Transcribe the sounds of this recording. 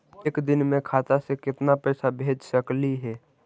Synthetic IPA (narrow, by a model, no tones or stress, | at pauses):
eːkd̪ɪnmẽkʰaːt̪asekɪt̪napɛːsabʱeːd͡ʒsəkliɦɛː